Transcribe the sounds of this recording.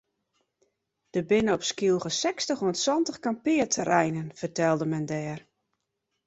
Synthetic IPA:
d̥əbɪnəɔpskilˠɣəsɛkstəχoəntswɔntəχkampɪətʰərɛjnənfərtɛlˠdəmɛndɛːr

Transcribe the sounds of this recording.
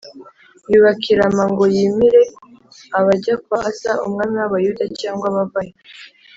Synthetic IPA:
juːβakʰiɾamaŋɡo̞jimiɾe̞ | aβaɟakwasaumŋaːmiwaβajudacaːŋɡwaβavaje

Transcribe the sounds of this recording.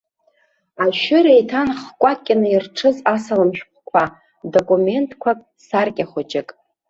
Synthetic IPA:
aʃʏɾaitʰanχkʷʼat̚ʼkʲʼɪnɨirʈ͡ʂʰɨzasalɨmʃᶣpʷʰkʷʰa | do̞kʼume̞ntʼkʷʰapʼ | sarkʲʼaχʷot͡ʃʼɪkʼ

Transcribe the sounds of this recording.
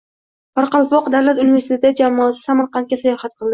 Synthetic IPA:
pʰaɾqɑlˠpɒqd̪awlat̪univest̪et̪d͡ʒamɒːsɪ̥samaɾqʰɑnt̪̚kʲasajɒhat̪̚qɨlˠd̪ɪ

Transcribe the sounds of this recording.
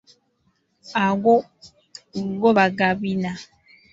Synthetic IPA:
aɡo | ɡoβaɡabina

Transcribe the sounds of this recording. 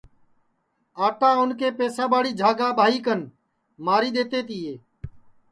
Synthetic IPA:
aːʈaːʊnkeːpeːsãːɓaːɽiːd͡ʒʱaːɡaːɓaːɦiːkən | maːɾiːɗ̪eːt̪eːt̪iːeː

